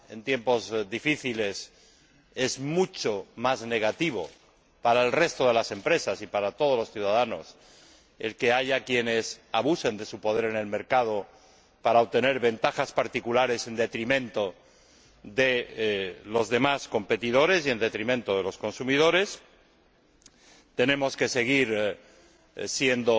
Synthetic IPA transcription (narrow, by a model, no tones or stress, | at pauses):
e̞̰nt̪je̞mpo̞zðifiθile̞s | e̞zmut͡ʃomazne̞ɣ̞at̪iβ̞o̞̰ | paɾaelre̞st̪o̞ðe̞lase̞mpɾe̞sasipaɾat̪o̞ðo̞losθjuðaðano̞̰s | e̞̰lke̞aʝakje̞ne̞saβusend̪e̞supo̞ð̞e̞ɾe̞ne̞lme̞ɾkað̞o̞ | paɾaoβt̪e̞ne̞ɾβe̞nt̪axaspaɾt̪ikulaɾe̞se̞nd̪e̞t̪ɾimẽ̞nt̪o̞ | ðe̞ | lo̞zðe̞masko̞mpe̞t̪iðo̞ɾesie̞nd̪e̞t̪ɾimẽnt̪oðe̞lo̞sko̞nsumiðo̞ɾe̞s | t̪e̞nẽ̞mo̞ske̞se̞ɣ̞iɾ | sje̞nd̪o